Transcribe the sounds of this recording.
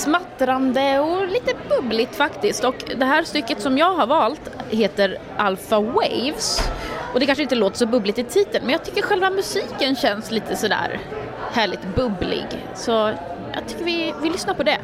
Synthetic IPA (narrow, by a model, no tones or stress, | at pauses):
smat̪ːɾand̪əɔliːt̪əbɵblɪt̪fakt̪ɪskt̪ɔkd̪ɛɦæːɾst̪ʏkːət̪sɔmjɑːɡɦaɾvɑːlt̪heːt̪əɾʔalfawḛjvsʔɔd̪ɛkʰanʂəɪnt̪əloːt̪ə̥ʂɔbɵblɪt̪ɪt̪ʰiːt̪ənmɛnjɑt̪ʰʏkːəɾɧɛlvamɵsiːkənɕɛnsliːt̪ʰəsɔd̪æ̰ːɾ | hæːɭɪt̪bɵblɪ̰ɡ | sɔjɑ̰ːt̪ʰʏ̥kːəɾvɪvɪlʏsnapʰɔd̪ɛ